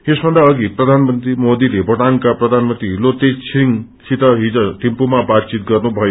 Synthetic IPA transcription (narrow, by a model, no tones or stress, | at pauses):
esbʱʌnd̪aʌɡiprʌd̪ʱanmʌnt̪rimod̪ilebʱʌʈaŋkaprʌd̪ʱanmʌnt̪ɾiɦilot̪ejt͡sʰiŋ | sit̪ʌɦid͡zʌt̪impumabat̪̚t͡sit̪̚ɡʌrnubʱʌjo